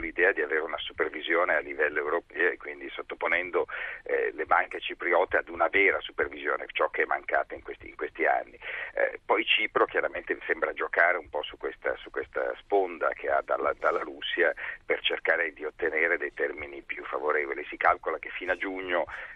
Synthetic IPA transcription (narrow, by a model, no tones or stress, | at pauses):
lid̪ɛːad̪iaveːɾeunasupervizjoːnealːivɛlːoewɾopɛːoekwind̪isot̪ːoponɛnd̪olebaŋket͡ʃipɾiɔːt̪ead̪unavɛːɾasupervizjoːnḛt͡ʃɔkːeɛmːaŋkaːt̪aiŋkwest̪ḭːŋkwest̪ia̰nːḭpɔjt͡ʃiːpɾok̟jaɾament̪esɛmbɾad͡ʒokaːɾeumpɔsukːwest̪a̰sukwest̪a̰spond̪a̰kʰead̪a̰lːad̪alːaɾusːjapert͡ʃerkaːɾed̪iot̪ːeneːɾed̪ejt̪ɛrminipjufːavoɾeːvolisikalkolakefːinad͡ʒuɲːo